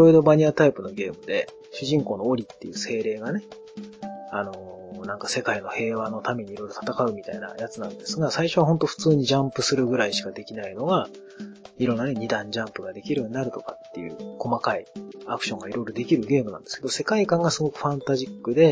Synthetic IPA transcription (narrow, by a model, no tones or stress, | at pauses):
iɾo̞iɾo̞baɲ̟iat̪aipɯ̟no̞ɡe̞ːmɯ̟d̪e̞ | ɕɨʑĩŋko̞ːno̞ːɾʲit̪ːe̞jɯ̟ːse̞ːɾe̞ːɡane̞ | ano̞nãŋkase̞kaino̞he̞ːβano̞t̪ame̞ɲ̟iɾo̞iɾo̞t̪ʰat̪akaɯ̟mʲit̪a̰ina̰jat͡sɨnã̰nd̪e̞sɨɡasaiɕo̞βaɦo̞nt̪o̞ɸɯ̟̥t͡sɨːɲ̟id͡ʑãmpɯ̟sɨɾɯ̟ɡɯ̟ɾaiɕi̥kad̪e̞kʲinaino̞ɡa | iɾõ̞nːane̞ɲ̟id̪ãɲ̟d͡ʑãmpɯɡad̪e̞kʲiɾɯ̟̃ɲd̪aɾɯ̟t̪o̞kat̪ːe̞̰jɯ̰ːko̞makaiakɯ̥ɕõ̞ŋɡaiɾo̞iɾo̞d̪e̞kʲiɾɯ̟ɡe̞ːmɯ̟nã̰nd̪e̞sɨ̥keose̞kaikãŋɡasɨɡo̞kɯ̟̥ɸãnt̪aʑikːɯ̟d̪e̞